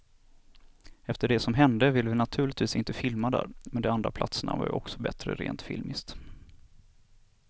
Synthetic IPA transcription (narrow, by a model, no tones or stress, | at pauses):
ɛft̪əɖɛsɔmɦɛnd̪əvɪlːəvɪnat̪ʰʉ̟ːɭɪt̪viːsɪnt̪əfɪlmad̪æ̰ːɾmɛnd̪ɔmand̪ɾapʰla̰t̪səɳa̰va̰jɔksɔbɛt̪ɾəɾḛːnt̪fɪ̰lmɪst̪